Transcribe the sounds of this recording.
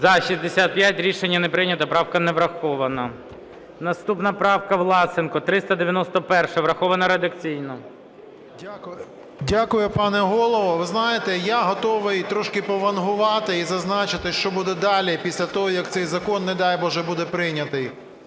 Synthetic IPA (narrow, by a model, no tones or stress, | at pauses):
zɐʃizʲd̪esʲat̪̚pʲjatʲɾʲiʃenʲːɐnepɾɪnʲɐt̪ɐpɾɑwkɐnɛʋɾɐxɔʋɐnɐ | nɐst̪upnɐpɾɑwkɐʋlˠɑsɪnkɔt̪ɾɪst̪ɐd̪eʋʲjɐnɔst̪ɔpɛrʃɛʋɾɐxɔʋɐnɐɾed̪ɐkt͡sʲijnɔ | dʲakʊjʊpɑnɛɦɔlˠɔʋɔʋɪznɑjet̪ɛjaɦɔt̪ɔʋɪjt̪ɾɔʃkɪpɔʋɐnɦʊʋɑt̪ɪizɐznɑt͡ʃɪt̪ɪʃt͡ʃɔbud̪ɛd̪ɑlʲipʲisʲlʲɐt̪ɔɦɔjɐkt̪sɛjzɐkɔnːɛd̪ɑjbɔʒɛbud̪ɛpɾɪnʲɐt̪ɪj